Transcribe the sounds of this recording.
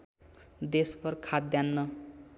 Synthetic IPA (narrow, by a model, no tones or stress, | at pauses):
d̪espʌrkʰad̪janːʌ